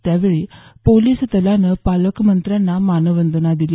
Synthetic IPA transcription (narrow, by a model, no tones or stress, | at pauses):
t̪jaʋeɭiːpoliːst̪əlanəpaləkmənt̪ɾjanːamanəʋənd̪ənad̪ili